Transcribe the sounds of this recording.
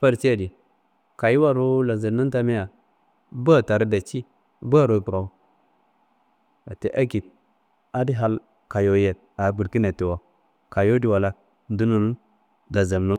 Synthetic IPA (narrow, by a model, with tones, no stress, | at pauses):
fa˦ɾsi˦ja˦˨di˨ | ka˨ji˦wa˦ɾo˦la˨zə˨˦na˦ta˦me˦ja˨ | bu˦a˨ta˨ɾi˦da˨t͡ʃi˦ | bu˦a˦ɾo˨˦pu˨ɾa˨wu˦ | a˨te˦ʔa˦ki˨t̚ | a˦di˦ɦa˦˨l | ka˨jo˨je˨t̚ | a˨˦bu˨ɾki˦ne˨ti˨wa˨ | ka˨jo˦di˦wa˨la˦ | n˦du˦nu˦n˦ | da˨za˨mnu˦